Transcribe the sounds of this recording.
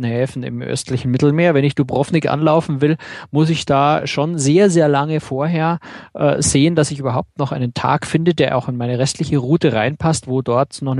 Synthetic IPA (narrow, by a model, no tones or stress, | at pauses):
hɛːfn̩ɪ̰mʔœ̰stlɪçn̩mɪtl̩meːɐvɛnɪçd̥ubʁɔfnɪkʔa̰nlaʊfn̩vɪlmʊsɪçd̥aːʃonzeːɐzeːɐlaŋəfoːɐɦeːɐʔɛ̰ːz̥eːənd̥asɪçʔyːbɐɦaʊp̚tnɔχʔaɪnəntʰa̰ːkfɪndədeːɐʔa̰ʊxɪnmaɪnəʁɛstʰlɪçəʁuːtəʁa̰ɪnpʰastv̥oːdɔɐtnɔχn